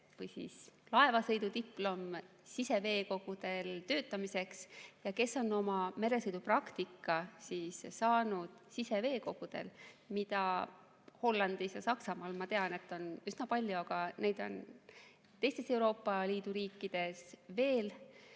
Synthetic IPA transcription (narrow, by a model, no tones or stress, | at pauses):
vɤjsḭːslɑe̞vɑsɤ̞jd̪ut̪iplo̞m | sise̞ve̞ːko̞ɡ̥ud̪e̞lt̪ø̞ːt̪ːˑɑmise̞ksjɑke̞sːo̞no̞mɑme̞ɾe̞sɤjd̪̥uprɑkt̪ikːˑɑsiːssɑːnud̪̥sise̞ve̞ːko̞ɡ̥ud̪̥e̞̰lmit̪ɑ | ho̞lːɑnd̪̥isjɑsɑksɑmɑːlmɑt̪eɑne̞t̪ːˑo̞nysnɑpɑlʲjuɑɡ̥ɑne̞jd̪̥o̞̰n | t̪e̞jst̪e̞se̞wɾo̞ːpːɑliːd̪uɾiːkːid̪̥e̞sve̞ːl